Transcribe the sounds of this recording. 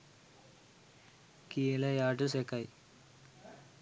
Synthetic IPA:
kiːlɐjaːʈːusekːaj

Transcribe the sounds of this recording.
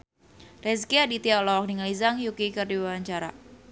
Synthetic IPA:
rɛs̬kiadit̪ialɔwak̚niŋalizaŋjukikərdiwawaɲt͡ʃaɾa̰

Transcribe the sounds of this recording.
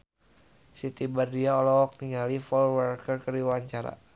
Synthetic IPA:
sit̪ibardiaɔlɔk̚niŋalifɔwərkɛrkəriwaɲt͡ʃaɾa̰

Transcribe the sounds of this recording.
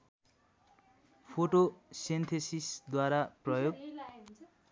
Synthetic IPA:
pʰoʈosent̪ʰesisd̪waɾaprʌjoɡ

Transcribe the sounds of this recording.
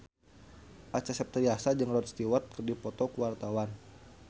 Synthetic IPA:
ʔat͡ʃasɛp̚t̪ɾiasad͡ʒɨŋlɔt̪̚st̪iwat̪̚kərdipɔt̪ɔkuwart̪awan

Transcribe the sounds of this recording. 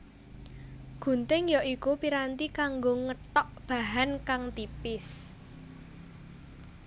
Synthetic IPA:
ɡ̥ṳnt̪ɪŋjɔʔikupiɾant̪ikaŋɡoŋəʈɔʔb̥a̤ɦankaŋt̪ipɪs

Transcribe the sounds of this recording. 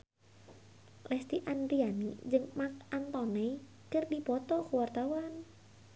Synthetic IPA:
lɛst̪iʔandɾianid͡ʒɨŋmak̚ant̪ɔnɛ | kɨrdipɔt̪ɔkuwart̪awan

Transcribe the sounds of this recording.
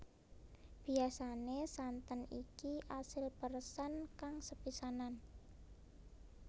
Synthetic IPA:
b̥i̤asanesant̪ənikiʔasɪlpərsənkaŋsəpisanan

